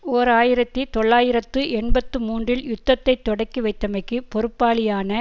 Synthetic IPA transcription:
oːɾaːjɪɾɐt̪ːit̪ɔɭːaːjɪɾɐt̪ːɯʔɛɳbɐt̪ːɯmuːndrɪljʊt̪ːɐt̪ːɐɪt̪ːɔɽɐɪkːiʋɐɪt̪ːɐmɐɪkːɯpɔɾɯpːaːɭɪjaːnɐ

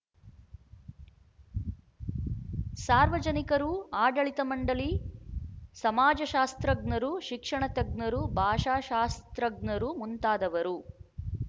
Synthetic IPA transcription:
saːɾʋɐd͡ʒɐnikɐɾuaːɖɐɭit̪ɐmɐɳɖɐli | sɐmaːd͡ʒɐʃaːst̪ɾɐɡnɐɾuʃikʂɐɳɐt̪ɐɡ̚nɐɾubʱaːʃaːʃaːst̪ɾɐɡnɐɾumunt̪aːd̪ɐʋɐɾu

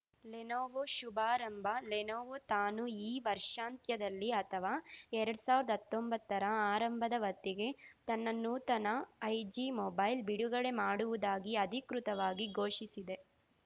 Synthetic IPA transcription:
lenoːʋoʃubaːɾɐmbʱɐlenoːʋot̪aːnuiːʋɐɾʂaːnt̪jɐd̪ɐlːiɐt̪ʰɐʋaːɛɾɐɽusaːʋuɾɐd̪ɐɐt̪ːombɐt̪ːɐɾɐaːɾɐmbʱɐd̪ɐʋɐt̪ːiɡe̞t̪ɐnːɐnːuːt̪ɐnɐːjd͡ʒimɔbɐjlbiɽuɡɐɭe̞maːɽuʋud̪aːɡiɐd̪ʱikɾut̪ɐʋaːɡiɡʱoːʂisid̪e̞

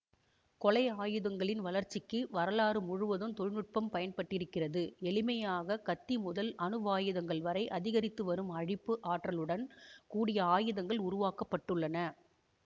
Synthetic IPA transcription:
kɔlɐɪaːjɯðɐŋɡɐɭɪnʋɐlɐɾt͡ʃːɪkːɯʋɐɾɐlaːɾɯmʊɻʊʋɐðɯmt̪ɔɻnɯʈ̚pɐmpɐjɐnpɐʈːɪɾɯkːɪrɐðɯɛɭɪmɐjaːɣɐkɐt̪ːimʊðɐlɐnɯʋaːjɯðɐŋɡɐɭʋɐɾɐɪʔɐðɪɣɐɾɪt̪ːɯʋɐɾɯmɐɻɪpːɯʔaːʈrɐlɯɽɐnkuːɽɪjɐaːjɯðɐŋɡɐɭʊɾʊʋaːkɐpːɐʈːɯɭːɐnɐ

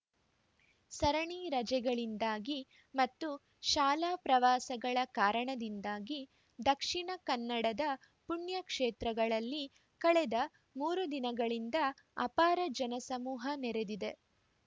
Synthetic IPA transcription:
sɐɾɐɳiːɾɐd͡ʒɛɡɐɭind̪aːɡi | mɐt̪ːu | ʃaːlaːpɾɐʋaːsɐɡɐɭɐkaːɾɐɳɐd̪ind̪aːɡi | d̪ɐkʂiɳɐkɐnːɐɽɐd̪ɐ | puɳjɐkʂeːt̪ɾɐɡɐɭɐlːi | kɐɭɛd̪ɐ | muːɾud̪inɐɡɐɭind̪ɐ | ɐ̰paːɾɐd͡ʒɐnɐsɐmuːɦɐnɛɾed̪id̪e̞

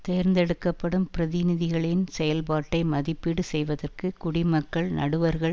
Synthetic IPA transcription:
t̪eːɾnd̪ɛɽɯkːɐpːɐɽɯmpɪɾɐðɪnɪðɪɣɐɭɪnsɛjɐlpaːʈːɐɪmɐðɪpːiɽɯsɛjʋɐðɐrkɯkʊɽɪmɐkːɐɭnʔɐ̰ɽɯʋɐɾɣɐɭ

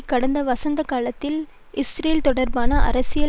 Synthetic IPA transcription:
kːɐɽɐnd̪ɐʋɐsɐnd̪ɐkaːlɐt̪ːɪl | ʔɪsɾeːlt̪ɔɽɐɾbaːnɐʔɐ̰ɾɐsɪjɐ

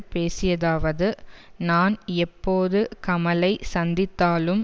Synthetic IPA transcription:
peːsɪjɐðaːʋɐðɯnaːnɛpːoːðɯkɐmɐlɐɪsɐnd̪ɪt̪ːaːlɯm

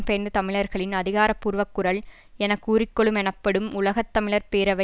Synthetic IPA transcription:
mpeːnd̪ɯt̪ɐmɪɭɐɾɣɐɭɪnɐðɪɣaːɾɐpːuːɾʋɐkːɯɾɐɭ | ɛnɐkːuːɾɪkːɔɭɯmɛɳɐpːɐɽɯmʊlɐɣɐt̪ːɐmɪɭɐɾpeːɾɐʋɐ

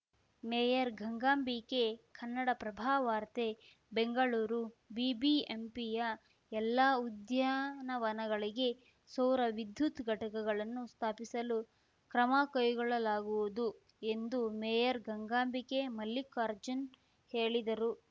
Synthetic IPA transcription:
meːjɐɾɡʱɐŋɡaːmbike̞kʰɐnːɐɽɐpɾɐbʱaːɐʋaːɾt̪e | be̞ŋɡɐɭuːɾubibiempijɐ | ɛlːaud̪jaːnɐʋɐnɐɡɐɭiɡe̞ | sɐwɾɐʋid̪ʱjut̪ɡʱɐʈɐkɐɡɐɭɐnːust̪ʰaːpisɐlu | kɾɐmaːkɐjuɡɔɭɐlaːɡuʋud̪u | e̞nd̪umejɐɾɡʱɐŋɡaːmbike̞mɐlːikaːɾd͡ʒɐn | heːɭid̪ɐɾu

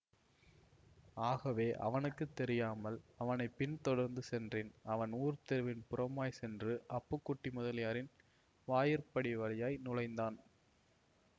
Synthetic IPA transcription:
aːɣɐʋeːʔɐ̰ʋɐnɯkːɯt̪ːɛɾɪjaːmɐlɐʋɐnɐɪpːɪnt̪ɔɽɐɾnd̪ɯsɛndrɪnɐʋɐnuːɾt̪ɛɾɯʋɪnpʊɾɐmaːjsɛndrɯʔɐpːɯkːʊʈːimʊðɐlɪjaːɾɪn | ʋaːjɪɾpɐɽiʋɐɾɐjaːjnʊlɐɪnd̪aːn

